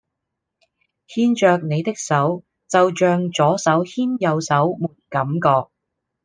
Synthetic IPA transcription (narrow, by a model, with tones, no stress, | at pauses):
hiː˥nt͡ʃœː˧k̚ne˨˧jt̪ɪ˥k̚sɐ˨˥w | t͡sɐ˨wt͡ʃœː˨˧ŋt͡ʃɔː˨˥sɐ˨˥whiː˥njɐ˨˧wsɐ˨˥wmuː˨˩n̚kɐ˨˥mkɔː˧k̚